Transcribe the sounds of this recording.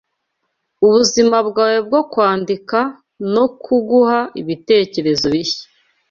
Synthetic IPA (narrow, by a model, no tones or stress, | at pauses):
uβuzimabɡaːweb̚ɡo̞kwaːndika | no̞kʰuɡuhaiβite̞ːce̞ɾe̞zo̞βiçe̥